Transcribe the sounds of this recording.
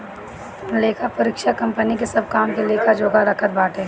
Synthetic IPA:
leːkʰapɐɾɪkʃakɐ̃mpənikesɐb̚kaːmkeleːkʰad͡ʒoːɡaɾɐkʰət̪̚baːʈʰɦɛ̃ː

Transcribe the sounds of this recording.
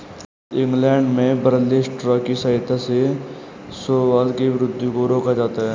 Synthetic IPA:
ɪ̃ŋɡlɛːɳɖmẽbəɾəleːsʈɾɔːkisəɦɪt̪ʰːase | soːwaːlkiʋɪɾʊd̪ʱːjũkoɾoːkad͡ʒaːt̪aɦɛː

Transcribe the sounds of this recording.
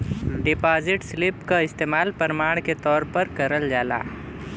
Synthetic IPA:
ɖɪpaːzɪʈslɪpkaɪst̪eːmaːlpɐɾmaːɽ̃ket̪ɔːɾpɐɾkɐɾəld͡ʒaːla̰ː

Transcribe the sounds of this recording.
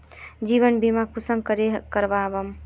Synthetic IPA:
d͡ʒiβənbimakusəŋkəɾekəɾbabəm

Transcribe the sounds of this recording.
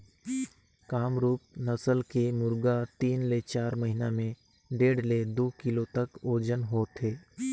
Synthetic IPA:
kaːmɾuːp̚nəsəlkemʊɾɡat̪iːnlet͡ʃaːɾməɦɪnamẽ | ɖeːɽled̪oːkɪlot̪əkoːd͡ʒənɦoːt̪ʰeː

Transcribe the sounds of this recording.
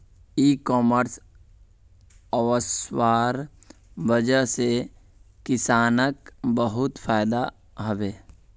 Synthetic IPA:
iːkɔːməɾs | əwəswaːɾ | bəd͡ʒəse | kɪsaːnəkbəɦʊt̪pʰaːɪd̪a | ɦəʋeː

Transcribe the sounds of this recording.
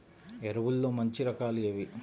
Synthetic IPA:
ɛɾɐʋulːoːmɐɲt͡ʃiɾɐkaːlijɐʋi

